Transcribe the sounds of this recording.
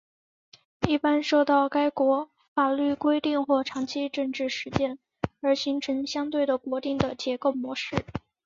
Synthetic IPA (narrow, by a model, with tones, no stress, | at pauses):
i˥˩pa˥nʂo˥˧ʊt̪ɑ˥˩ʊka˥ɪkwɔ˧˥ | fa˨˩ly˥˩kwe˥ɪt̪i˥˧ŋxwɔ˥˩ʈ͡ʂʰɑ˧˥ŋt͡ɕʰi˥ʈ͡ʂɤ˥˧ŋʈ͡ʂɻ̩˥˩ʂɻ̩˧˥t͡ɕjɛ˥˩n | ə˞˧˥ɕi˧˥ŋʈ͡ʂʰə˧˥nɕjɑ˥ŋt̪we˥˩ɪd̪ə˩kwɔ˧˥t̪i˥˩ŋd̪ə˩t͡ɕjɛ˧˥ko˥˩ʊmwɔ˧˥ʂɻ̩˥˩